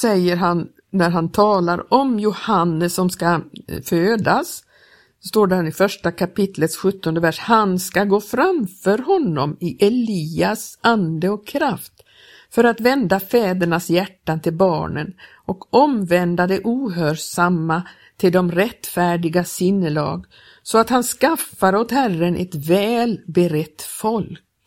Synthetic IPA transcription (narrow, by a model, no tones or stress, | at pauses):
sɛjːəɾɦan | næɾɦant̪ʰɑːlaɾɔmjʊhanːəsːɔmskaføːd̪as | ɔst̪oːɖænɪfœʂʈakʰapɪt̪ʰlət̪sɧɵt̪ːɔnd̪əvæʂhanskaɡoːfɾamfœɾɦɔnːɔ̰mɪʔɛliːasand̪əɔkʰːɾaft̪ | fœɾat̪vɛnd̪afɛːd̪əɳasjæʈːant̪ʰɪlbɑ̰ːɳə̰n | ɔkɔmvɛnd̪ad̪ɛʔuːɦøːsamːa | t̪ʰɪld̪ɔmɾɛt̪ːfæːɖɪɡasɪnːəlɑ̰ːɡ | sɔat̪hanskafaɾot̪hærənʔɛ̰t̪vɛːlbɛɾɛt̪ːfɔlk